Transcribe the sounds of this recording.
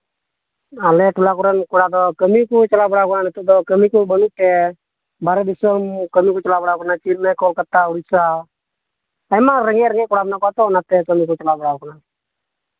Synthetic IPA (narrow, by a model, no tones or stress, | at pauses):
alɛʈʰulakuɾənkuɽad̪ɔkəmikut͡ʃəlabəɽakɔnanət̪ud̪ɔkəmikubənuʈɛ | baɾɛd̪isəmkəmikut͡ʃɔlabɔɽakɔnat͡ʃinmɛkɔlkət̪ːauɽisa | əjmaɾəŋɛɾəŋɛkuɽabnakɔat̪ɔnat̪ɛkəmikut͡ʃəlabəɽakɔna